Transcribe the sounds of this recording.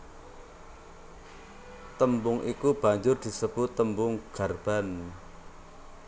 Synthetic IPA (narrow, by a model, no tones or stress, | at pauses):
t̪əmbʊŋʔḭkub̥a̤ɲd͡ʒʊrd̪̥i̤səb̥ʊ̤t̪ːəmbʊŋɡ̥a̤rb̥a̤n